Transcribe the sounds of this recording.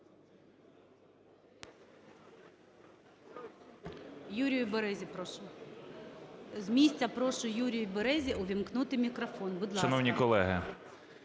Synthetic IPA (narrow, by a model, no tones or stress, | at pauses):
juɾʲijʊbeɾɛzʲipɾɔʃʊ | zmʲisʲt͡sʲɐpɾɔʃʊjuɾʲijbeɾɛzʲiʔɔʋʲimknut̪ɪmʲikɾɔfɔnbʊd̪lˠʃɐnɔwnʲikɔlˠɛɦɪ